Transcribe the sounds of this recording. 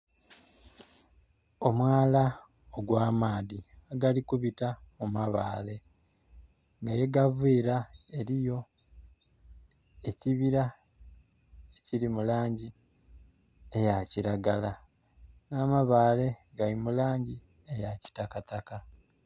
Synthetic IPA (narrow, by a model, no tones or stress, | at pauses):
o̞mwaːla | oɡwaːmaːðiaɡalikuβitamumaβa̰ːle̞ | ŋɡaje̞ɡaviːɾae̞ɾijo̞ | e̞ciβiɾa | eciɾimulaːɲɟi | ejaciɾaɡala | namaβaːle̞ɡalimulaːɲɟi | ejaci̥takataka